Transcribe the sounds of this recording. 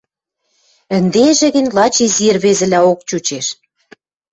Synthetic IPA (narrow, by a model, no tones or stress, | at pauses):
ə̆nd̪eʒĕɣə̆nʲlɑt͡ɕizirβezɘ̆læok̚t͡ɕut͡ɕeʃ